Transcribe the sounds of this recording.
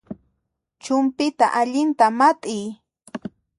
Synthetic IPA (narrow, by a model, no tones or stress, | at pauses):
t͡ʃʊmpɪt̪a̰ʔaʎɪnt̪amat̪ʼɪj